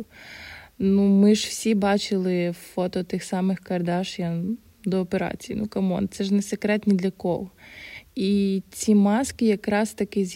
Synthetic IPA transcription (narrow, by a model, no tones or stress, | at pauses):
numɪʒwsʲibɑt͡ʃɪlˠɪfɔt̪ɔt̪ɪxsɑmɪxkɐrd̪ɑʃjɐ | d̪ɔːpeɾɑ̰t͡sʲijḭnukɐmɔ̰nt̪sɛʒnɛsekɾɛt̪ʲnʲid̪lʲɐkɔlɔ | it͡sʲimɑskɪjɐkɾɑst̪ɐkɪzʲ